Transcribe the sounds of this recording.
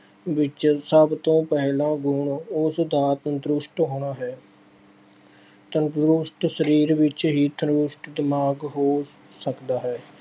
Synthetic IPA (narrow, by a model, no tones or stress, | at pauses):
ʋɪt͡ʃsəbt̪õːpɛɦlãːɡʊɳʊsd̪aːt̪nd̪ɾʊʃʈɦoːɽ̃aːɦɛː | t̪ənɾʊʃʈsəɾiːɾʋɪt͡ʃɦiːt̪ʰənʊʃʈd̪ɪmaːɡɦoː | səkd̪aːɦɛː